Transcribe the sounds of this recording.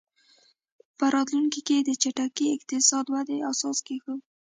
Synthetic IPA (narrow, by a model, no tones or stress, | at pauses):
pəɾɑt̪luŋkiked̪ət͡ʃeʈakiɪqt̪ɪsɑd̪wad̪easɑskexə